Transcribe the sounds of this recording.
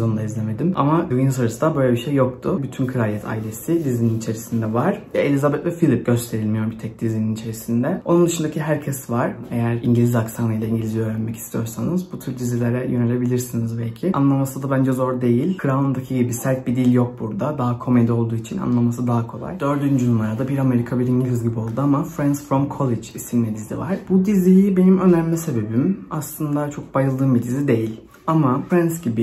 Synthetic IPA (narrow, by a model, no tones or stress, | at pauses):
ond̪aizleme̞d̪ima̰mavinɯsaɾɯsɯd̪abø̞jlʲɛbiʃejːo̞kt̪ʰʊbyt̪ʰynkʰɯɾaijɛt̪ʰa̰ːilʲe̞sɪd̪izininit͡ʃʰe̞ɾisind̪ɛvaɾ̥elʲizabɛt̪vɛfilʲip̚ɟø̞st̪ʰe̞ɾilʲmijo̞ɾbit̪ʰɛc̚d̪izininit͡ʃʰe̞ɾisind̪ɛo̞nund̪ɯʃɯnd̪acʰiɦæɾcʰɛsvaɾ̥e̞jæɾiɲɟilʲizaksanɯjd̪aiɲɟilʲiziø̞ːɾænmɛcʰi̥st̪ʰijo̞ɾsanɯzbut̪ʰyɾd̪izilʲeɾɛjønelʲe̞bilʲiɾsinizbɛlʲcʰɪʔa̰nlˠamasɯd̪abænd͡ʒɛzo̞ɾd̪e̞jilʲkʰɯɾaond̪acʰiɟibisæɾʲt̪̚bid̪ilʲjo̞k̚buɾd̪ad̪aɦakʰo̞me̞d̪io̞lˠd̪uːit͡ʃʰina̰nlˠamasɯd̪aɦakʰo̞lˠa̰jd̪̥ø̞ɾd̪ynd͡ʒynumaɾad̪abiɾame̞ɾikʰabiɾiɲɟilʲizɟibio̞lˠd̪uamafɾænsfɾomkʰo̞lˠed͡ʒisinmɛd̪iziva̰ɾ̥b̥ud̪izijibe̞nimø̞næmlʲise̞be̞bimaslˠɯnd̪at͡ʃʰo̞k̚bajɯlˠd̪ɯːmbid̪izid̪e̞jilʲ | amafɾansɟibi